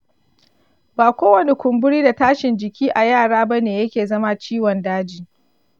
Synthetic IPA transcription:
baː˨kʷoː˦wɐ˨ne˦kʷʊ˨mbʊ˦ɽiː˦da˨taː˦ʃɪ˨nd͡ʒɪ˨kʲiː˦ʔa˨jaː˦˨ɽaː˦ba˦neː˨jɐ˦kʲeː˨zɐ˦ma˦t͡ʃiː˦wɔ˨ndaː˦d͡ʒiː˨

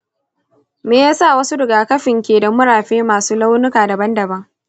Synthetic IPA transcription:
meː˨jaː˦saː˦˨wɐ˦su˦dɪ˨ɡaː˨kɐ˦ɸɪ˨ŋkʲeː˨dɐ˨mʊ˦ɽaː˨ɸeː˦maː˨suː˦la˦wnʊ˦kaː˨da˨bɐ˦ndɐ˨bɐ˦ŋ

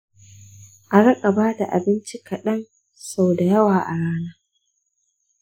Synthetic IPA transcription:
ʔa˨ɽɐ˦kʼa˨baː˦da̰˨ʔa̰˨bɪ˦nt͡ʃi˦kɐ˨ɗɐ˦n | sa˨wda˨jɐ˦waː˨ʔa˨ɽaː˦naː˦

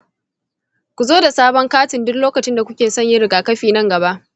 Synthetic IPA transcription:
kʷu˨zoː˦da˨saː˦bɔ˦ŋkaː˦tɪ˨ndʊ˦kloː˦kɐ˨t͡ʃɪ˦nda˨kʷʊ˦kʲeː˨sɔ˦ɲjɪ˦ɾɪ˨ɡaː˨kɐ˦ɸiː˨nɐ˦ŋɡɐ˨ba˦ʔ

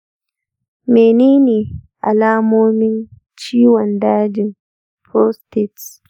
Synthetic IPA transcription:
meː˨niː˦ni˨ | ʔa̰˨laː˦moː˦mɪ˦n | t͡ʃiː˦wɔndaː˦d͡ʒi˨n | pʰo˦ste˨ts

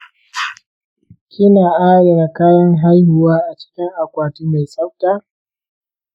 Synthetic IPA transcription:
kʲɪ˦naː˨ʔaː˦ɽɛ˨na˨kaː˦ɽɔ˦ŋɦa˦jhʊ˨waː˦ʔa˨t͡ʃɪ̥˦kʲɪ˦ŋʔa˨kʷaː˨tiː˦ma˨sa˦wtaː˦

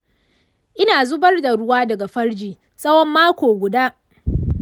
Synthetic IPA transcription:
ʔɪ˦naː˨zʊ˦bɐ˦rda˨ɽʊ˦waː˦dɐ˨ɡa˨ɸɐ˦ɽd͡ʒiː˨ | sɐ˦wɔ˦mːaː˦kʷoː˨ɡʷʊ˨daː˦

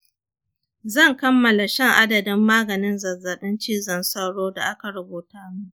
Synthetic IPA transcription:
zɐ˦˨ŋkɐ˦mːɐ˨la˨ʃɛ˦ŋʔa˦dɐ˨dɪ˦mːaː˦ɡɐ˨nɪ˦nzɐ˨zɐ˨ɗɪ˦nt͡ʃiː˦zɐ˨nsɐ˦ɽoː˦da̰˨ʔa˦ka˨ɾɐ˦boː˨taː˦mu˦ʔ

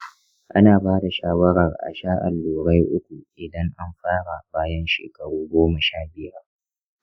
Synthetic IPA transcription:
ʔa̰˦naː˨baː˦da˨ʃaː˦wɐ˦ɽɐ˨rʔa̰˨ʃaː˦ʔa̰˨lːoː˨ɽa˦jʔʊ˦kʷu˨ʔɪ˨dɐ˦ŋʔa˦mɸaː˦ɽa˨baː˦jɐ˦nʃḛː˨kɐ˨ɽuː˦ɡʷoː˦mɐ˨ʃaː˦bɪ˨jɐ˦r

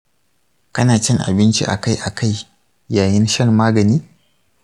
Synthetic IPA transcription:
kɐ˦naː˨t͡ʃɪ˦ŋʔa̰˨bɪ˦nt͡ʃḭ˦ʔa̰˨ka˦˨jʔa˨kʰa˦˨j | jaː˨jɪ˦nʃɐ˦˨mmaː˦ɡɐ˨niː˦

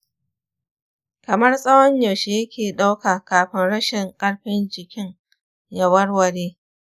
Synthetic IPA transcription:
kɐ˨mɐ˦rsʼɐ˦wɐ˦ɲja˨wʃeː˨jɐ˦kʲeː˨ɗa˦wkaː˨kaː˨ɸɪ˦nɽɐ˦ʃɪ˨ŋkʼɐ˦ɽɸɪ˦nd͡ʒɪ˨kʲɪ˦ŋ | jɐ˨wɐ˦rwɐ˨ɽeː˦

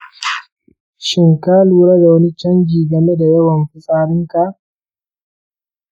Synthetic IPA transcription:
ʃɪ˨ŋkaː˦luː˨ɽa˦da˨wɐ˦ni˦t͡ʃɐ˦ŋɡʲiː˨ɡɐ˨me˦da˨jɐ˦wɐ˨mɸɪ˦sʼaː˦ɽɪ˦ŋka˨ʔ

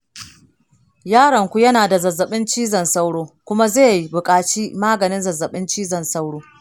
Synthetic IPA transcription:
jaː˦ɽɐ˨ŋkʷu˦jɐ˦naː˨da˨zɐ˨zːɐ˨ɓɪ˦nt͡ʃiː˦zɐ˨nsa˦wɽoː˦kʷʊ˦ma˦zeː˦˨ji˦bʊ˨kʼaː˨t͡ʃiː˦maː˦ɡɐ˨nɪ˦nzɐ˨zːɐ˨ɓɪ˦nt͡ʃiː˦zɐ˨nsa˦wɽoː˦

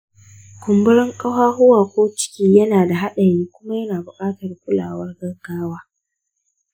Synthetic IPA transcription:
kʷʊ˨mbʊ˦ɽɛ˦ŋkʼɐ˦haː˦ɦʊ˦waː˨kʷoː˦t͡ʃɪ̥˦kʲiː˦jɐ˦naː˨da˨ɦa˦ɗɐ˨jiː˦kʷʊ˦ma˦jɐ˦naː˨bʊ˨kʼaː˦tɐ˨rkʷʊ˦la̰ː˨wɐ˦rɡɐ˦rɡaː˦waː˦

